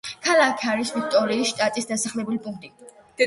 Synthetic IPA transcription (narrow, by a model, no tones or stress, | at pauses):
kʰalˠakʰaɾisvik̚ʰt̪ʼɔɾiːsʃt̪ʼat̪ʼisd̪asaχlɛbulipʼund̪i | d̪̥ɛ